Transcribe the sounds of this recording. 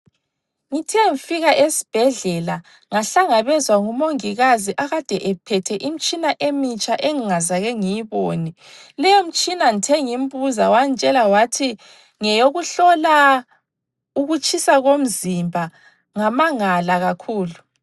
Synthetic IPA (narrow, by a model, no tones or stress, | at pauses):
ŋitʰɛŋifiɣaʔesi̥b̥ʱɛɮɛla | ŋaɬaŋaβɛzwaŋumoŋiɣaziʔaɣad̥ʱɛʔɛpʰɛtʰɛʔim̩t͡ʃʼinaʔemit͡ʃʼaʔeŋiŋazaɣɛŋijiβoni | lɛjom̩t͡ʃʼinaŋitʰɛŋim̩bʼuzawant͡ʃʼɛlawatʰi | ŋɛjoɣuɬɔla | uɣut͡ʃʼʰisaɣom̩zimbʱa | ŋamaŋalaɣakʰuːlu